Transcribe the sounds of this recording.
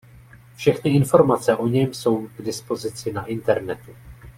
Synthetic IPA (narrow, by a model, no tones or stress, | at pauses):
fʃɛxnɪɪnfo̞ɾmat͡sɛʔo̞ɲɛmso̞wɡdɪspo̞zɪt͡sɪnaʔɪnt̪ɛɾnɛt̪u